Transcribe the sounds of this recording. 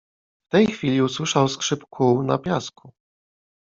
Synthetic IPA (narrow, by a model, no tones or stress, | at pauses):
ft̪ɛjxfʲilʲiuswɘʂawskʂɘpkʰuwna̰pʲjaskʰu